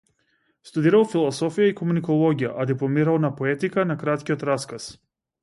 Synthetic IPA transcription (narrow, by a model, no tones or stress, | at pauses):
st̪ud̪iɾalˠfilˠɔsɔfijaikɔmunikɔlˠɔɡʲijaʔad̪iplˠɔmiɾalˠnapɔɛt̪ikanakɾat̪kʲiɔt̪ɾaskas